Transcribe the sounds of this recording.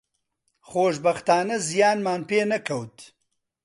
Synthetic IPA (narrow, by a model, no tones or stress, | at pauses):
χoːʃbɐxt̪aːnɐzijaːnmaːnpeːnɐkʰɐwt̪